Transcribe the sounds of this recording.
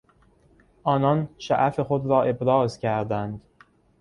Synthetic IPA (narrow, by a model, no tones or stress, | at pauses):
ʔɒːnɒːnʃæ̰ʔæfe̞xod̪ɾɒːʔe̞bɾɒːzcʰæɾd̪ænd̪